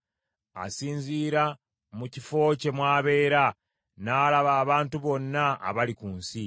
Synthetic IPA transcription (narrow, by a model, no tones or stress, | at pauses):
a̰siːɲziːɾa | mucifo̞ːce̞mwaːβe̞ːɾa | naːlaβaːβaːntuβo̞nːaa̰βalikuːnsi